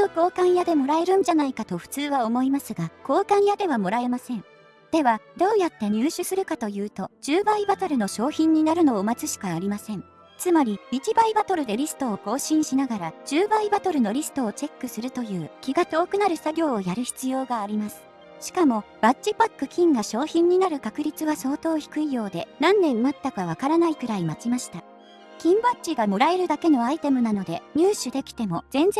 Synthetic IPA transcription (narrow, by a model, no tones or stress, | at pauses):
oko̞ːkãɰ̃jad̪e̞mo̞ɾae̞ɾɯ̟̃ɲ̟d͡ʑanaikat̪o̞ɸɯ̟̥t͡sɨːβaomo̞imasɨɡako̞ːkãɰ̃jad̪e̞β̞amo̞ɾae̞masẽ̞ŋ | d̪̥e̞βad̪̥o̞ːjat̪ːe̞ɲ̟ɨːɕɨsɨɾɯ̟kat̪o̞jɯ̟ːt̪o̞d͡ʑɨːbaibat̪oɾɯ̟no̞ɕo̞ːçĩɲ̟ːinaɾɯno̞ːmat͡sɨɕi̥kaːɾʲimasẽ̞ɴ | t͡sɨmaɾʲiit͡ɕibaibat̪o̞ɾɯ̟d̪e̞ɾʲisɨ̥t̪o̞ːko̞ːɕĩɰ̃ɕinaɡaɾad͡ʑɨːbaibat̪o̞ɾɯ̟no̞ɾʲisɨ̥t̪o̞ːt͡ɕe̞kːɯ̟sɨɾɯ̟t̪o̞jɯ̟ːkʲiɡat̪o̞ːkɯ̟naɾɯ̟saɡʲo̞ːjaɾɯ̟çi̥t͡sɨjo̞ːɡaːɾʲimasɨ̥ | ɕi̥kamo̞ | batɕipakːɯ̟kʲĩŋɡaɕo̞ːçĩɲ̟ːinaɾɯ̟kakɯ̟ɾʲit͡sɨβaso̞ːt̪o̞ːçi̥kɯ̟ijo̞ːd̪e̞nãnːẽ̞mmat̪ːakaβ̞akaɾanaikɯ̟ɾaimat͡ɕimaɕi̥t̪a | kʲĩmbatt͡ɕiɡamo̞ɾae̞ɾɯ̟d̪ake̞no̞ait̪e̞mɯ̟nano̞d̪e̞ɲ̟ɨːɕɨd̪e̞kʲi̥t̪e̞mo̞zẽ̞nd͡z